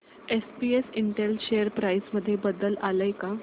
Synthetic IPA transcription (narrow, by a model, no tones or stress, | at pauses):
espiesiɳʈelɕejəɾpɾajsməd̪ʱːjebəd̪əlaləjka